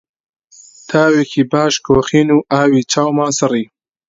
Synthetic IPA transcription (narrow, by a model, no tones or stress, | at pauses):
t̪ʰaːwekʰibaːʃkoːxiːnuʔaːwit͡ʃawmãːsɐɾi